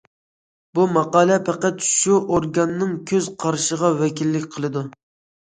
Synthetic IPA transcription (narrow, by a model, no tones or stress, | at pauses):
bumɑqɑːlˠɛpʰæqæt̪ʃuʔoɾɡɑnːɨŋkʲʰøz̥qʰɑɾʃəʁɑwɛkʲilːɪkʲqʰəlˠɨd̪u